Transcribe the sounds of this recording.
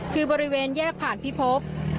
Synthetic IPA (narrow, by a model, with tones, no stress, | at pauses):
kʰɯː˧bɔː˧ɾi˦˥weː˧njɛː˥˩k̚pʰaː˨˩npʰi˦˥pʰo˦˥p̚